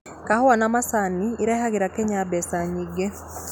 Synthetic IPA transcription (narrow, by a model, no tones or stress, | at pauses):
kahwanamasaniːɾahaɣiɾakɛɲabɛsaɲiɡe